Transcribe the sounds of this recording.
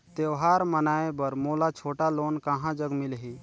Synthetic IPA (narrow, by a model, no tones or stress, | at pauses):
t̪ewɦaɾmənaːebəɾmoːlat͡ʃʰoːʈaloːnkaɦãd͡ʒəɡmilɦi